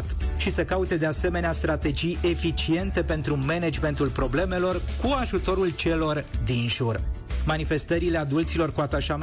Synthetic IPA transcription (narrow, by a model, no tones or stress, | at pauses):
t̪ʃisəkaut̪e̞d̪e̞ase̞me̞neast̪ɾat̪e̞d͡ʒije̞fit͡ʃie̞nt̪e̞pe̞nt̪ɾume̞ned͡ʒme̞nt̪ulpɾo̞ble̞me̞lo̞rkuaʒut̪o̞ɾult͡ʃe̞lo̞rd̪inʒurmanife̞st̪əɾile̞ad̪ult̪silo̞rkuat̪aʃam